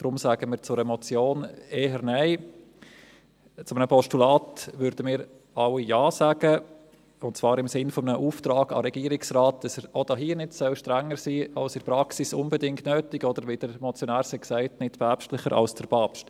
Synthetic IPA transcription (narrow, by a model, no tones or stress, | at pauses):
d̥ɾʊmsæːɡ̥əmɪːɾt͡sʊɾɛmɔt͡sjoːneːɦəɾnæɪ | t͡sʊmənəpʰɔʃtulɑːtʋʏɾd̥əmɪːɾ | ɑwijɑːsaɡ̥ə | ʊntt͡svɑːɾɪmsɪnfɔmnəʔuːftɾɑːɡ̥ɑ̰ɾɛɡiːɾɪksɾaːt̚d̥ɑsəɾod̥ɑɦiːənɪtsœlʃtɾæŋːəɾsiːɑlsɪɾpɾɑksisʊnbɛdɪŋktnøːtɪɡɔd̥əɾʋid̥əɾmɔt͡sjɔnæːɾsɛksæɪtnɪtpʰæpʃtlɪχəɾʔɑ̰lsd̥əɾpʰɑːpʃt